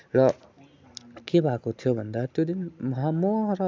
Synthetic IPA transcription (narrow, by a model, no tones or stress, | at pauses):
ɾʌ | kebakot̪ʰijobʌnd̪at̪jod̪inmʌɦamɔɦɾʌ